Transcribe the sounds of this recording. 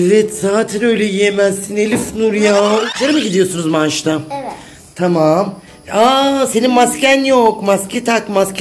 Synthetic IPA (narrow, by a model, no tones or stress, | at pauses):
evɛt̪saːt̪ʰænø̞jlʲɛjijemæzːine̞lʲifnuɾjat̪ʰeɾimiɟid̪ijo̞sunuzmat͡ʃt̪a | t̪ʰamam | ase̞nimmascænjo̞kmascʰet̪ʰakmascʰʲ